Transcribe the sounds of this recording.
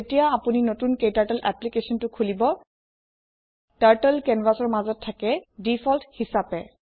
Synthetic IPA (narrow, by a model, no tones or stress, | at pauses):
etijaːpuninotunkejtaɹtɛlʔɛ̰plikesɔntʊkʰulibɔ | taɹtɛlkɛnvasɔɹmazɔtʰːakɛdifʰɔlthisapɛ